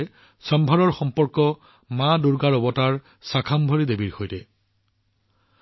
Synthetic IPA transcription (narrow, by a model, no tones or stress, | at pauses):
ɛ | sɔmbʱaɹɔɹxɔmpɔɹkɔ | maduɹɡaɹɔbɔtaɹ | sakʰambʱoɹidebiɹxojtɛ